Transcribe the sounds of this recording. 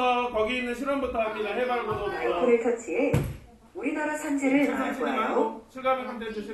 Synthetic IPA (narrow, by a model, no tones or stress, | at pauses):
ʌkʌɡiːnːɯnɕʰiɾʌmbutʰʌakidaɦebaɾɡodoaikʰɯɾesʰʌt͡ɕ͈ʰie | uɾinaɾasʰand͡ʑeɾɯɭanaʌoɕʰiɭɡanɯɭkʰanded͡ʑuɕʰi